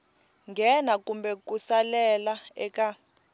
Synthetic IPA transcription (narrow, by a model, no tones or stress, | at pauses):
ŋɡɛnakumbɛk̬ʼusalɛlaɛk̬ʼa